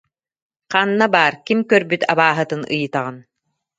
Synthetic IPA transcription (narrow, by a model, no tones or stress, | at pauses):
qaːnːabaːɾkimkœɾbyt̪ʰabaːɦɯt̪ɯnʔɯ̰jɯt̪aʁɯn